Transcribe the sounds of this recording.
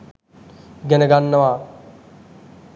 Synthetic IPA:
ɡɛnəɡanːəʋaː

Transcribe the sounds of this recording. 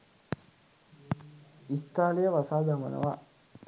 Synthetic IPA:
ist̪aːlijɐʋɐsaːd̪amɐ̰nɐ̰ʋa

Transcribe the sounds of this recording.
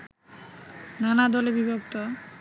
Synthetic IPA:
nanad̪ɔlebibʱokt̪o

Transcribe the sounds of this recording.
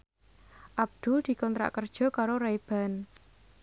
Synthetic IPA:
ʔab̚d̪̥ʊ̤ld̪̥i̤kɔnt̪ɾa̰ʔkərd̥ʒ̥ɔ̤kaɾoɾaeb̥a̤n

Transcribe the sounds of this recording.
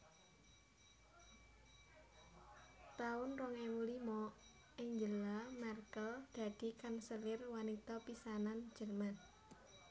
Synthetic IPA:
t̪aʊnrɔŋɛmulimɔ | ɪɲd͡ʒəlamarkəld̪̥a̤d̪̥i̤kansəlɪrwanit̪ɔpisanan̥d͡ʒ̥ərman

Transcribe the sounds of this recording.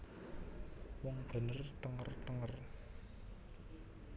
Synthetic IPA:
wɔŋb̥ə̤nərt̪əŋərt̪əŋər

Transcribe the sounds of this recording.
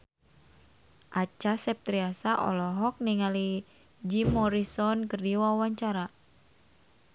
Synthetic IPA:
ʔat͡ʃasɛp̚t̪ɾiasaʔɔ̰lɔɦɔk̚niŋali | d͡ʒimːɔɾisɔnkɨrdiwawaɲt͡ʃaɾa

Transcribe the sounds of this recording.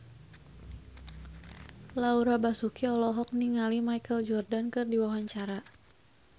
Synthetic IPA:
lauɾabasukiɔlɔɦɔk̚niŋalimajkəld͡ʒɔrdankɨrdiwawaɲt͡ʃaɾa

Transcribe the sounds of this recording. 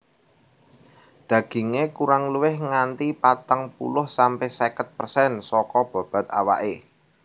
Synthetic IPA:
d̪̥ä̤ɡ̥i̤ŋekuɾaŋluwɪhŋant̪ipat̪əŋpṵlʊhsampɛhsɛkət̪̚pərsɛnsɔkɔb̥a̤b̥ä̤t̪̚a̰wa̰ʔe

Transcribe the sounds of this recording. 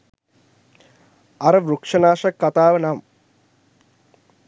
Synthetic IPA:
ɐɾɐʋɾukʂɐnaːʃɐkːɐt̪aːʋɐnaːm

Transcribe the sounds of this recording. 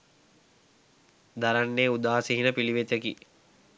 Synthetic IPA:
d̪aɾanːeːud̪aːsiɦinəpiliʋet̪ekḭ

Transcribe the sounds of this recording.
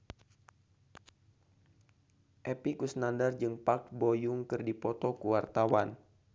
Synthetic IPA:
ʔɛpikusnandard͡ʒɨŋpak̚bojuŋkɨrdipɔt̪ɔkuwart̪awan

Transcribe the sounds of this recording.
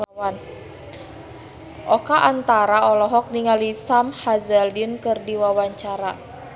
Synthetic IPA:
wan | ʔɔkaʔant̪aɾaɔlɔɦɔk̚niŋalisamhazaldinkɨrdiwawaɲt͡ʃaɾa

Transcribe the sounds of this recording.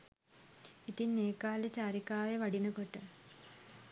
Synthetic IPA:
it̪ineːkaːlet͡ɕaːɾikaːʋeʋɐɖinɨkoʈːɨ

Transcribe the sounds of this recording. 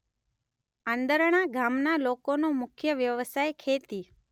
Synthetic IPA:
ə̃nd̪əɾɳ̃aɡamnalokonomʊkʰjəʋjəʋəsajkʰet̪i

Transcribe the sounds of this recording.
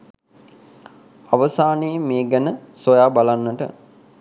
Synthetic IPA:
aʋəsaːneːmeːɡənəsojaːbalanːəʈə̰

